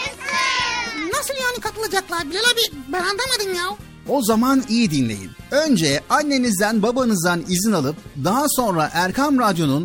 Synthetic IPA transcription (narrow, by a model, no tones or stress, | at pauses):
nasɯlˠjanikʰat̪ʰɯlˠad͡ʒaklˠaɾbilʲelʲabibɛɾand̪amad̪ɯnjalˠ | o̞zamanijid̪inlʲe̞̰jḭnønd͡ʒɛanːe̞nizd̪ænbabanɯzd̪anizinalˠɯp̚d̪aɦaso̞nɾaʔæɾkʰamɾad̪jo̞nun